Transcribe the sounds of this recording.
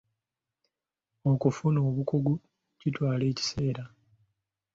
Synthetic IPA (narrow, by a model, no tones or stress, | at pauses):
o̞kufuno̞ːβukoɡu | citwaːle̞ːci̥se̞ːɾa